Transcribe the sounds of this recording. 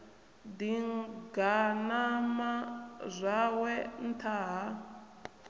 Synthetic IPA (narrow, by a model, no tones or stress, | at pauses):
diŋɡanamazʷawɛn̩tʰaɦa